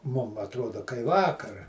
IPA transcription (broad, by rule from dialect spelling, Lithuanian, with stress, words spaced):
ˈmʊm ɐtˈroːdoː kɐɪ ˈʋɑːkɐr